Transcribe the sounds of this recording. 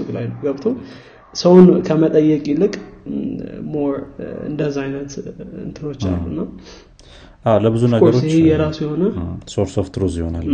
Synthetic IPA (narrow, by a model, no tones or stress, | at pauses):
ɨkʼlajlːəwɡəβt̪ʰo | səwnkʰəmət̪ʼəjːɛkʼilɨkʼ | mo̞ɾɨ̰nd̪əzajnət̪ɨ̰nt̪ʰɨno̞t͡ʃːa̰lːṵnːa | ʔawləbɨzunəɡəɾoɪhhejɛɾasjɛho̞nəsoɾsoft̪ɾuzjɪho̞nal